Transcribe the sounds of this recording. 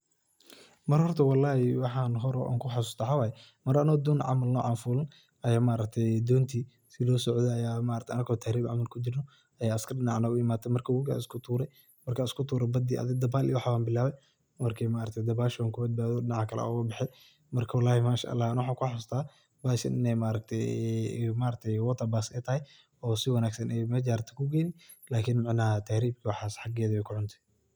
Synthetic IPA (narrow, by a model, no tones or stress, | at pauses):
mɐrhɔrt̪ʰɐwɑlːɑːhɪwɑħɑːnɦɔɾɔ̰ʔa̰ːŋkʰʊħasʊst̪ɐħawaːjɛ | mɐɾɐnɔd̪ɔːnʕɑ̰mɐlnɔ̰ːʕɑnfuːlɐn | ʔɐjaːmaʔɾɐk̚t̪ʰɛjd̪ɔːnt̪ʰiː | sɪlɔːsɔʕðɛɐjaːmaːɾɐkt̪ʰɐnɐkɔːt̪ʰahɾiːbʕɑ̰mɐlkʰʊd͡ʒɪrnɔ | ɐjaːɐskʰɐrɪnɑʕnaʊɪmaːt̪ʰɛmɐrkʰawʊɡa̰ːɪskʰʊt̪ʰuːɾɛj | mɐrkʰaːɪskʰʊt̪ʰuːɾɛbɐd̪iːʔɐ̰ðɪɡ̚d̪ɐbaːlijwħawaːmbɪlːaːβɛj | mɐrkʰɛjmaːɾɐt̪ʰɛjd̪ɐbaːʃwaːŋkʰʊbɐd̪̚baːðɔɗɪnaʕkʰɐlɛ̰ʊɣɐbɪħɛj | mɐrkʰɐwɑlaːhɪmaːʃa̰ʔɐ̰lːaːhnwħaːkʰʊħst̪ʰaː | baːʃɐ̰nɪ̰nɛjmaːɾɐk̚t̪ʰɛjmaːɾɐk̚t̪ʰɛjwɔt̪ʰːɐbaːsɛjt̪ʰɐhɛj | ɔːsɪwɐnaːɡsɐnɛjmɐd͡ʒaːɾt̪ʰɐ̥kʰʊɡɛːnɪ | laːkʰɪnmɪʕnɐɐt̪ʰahɾiːbkʰiwɑħaːsħɑɡɛːðɐɛjkʰʊʕʊnt̪ʰɛ̥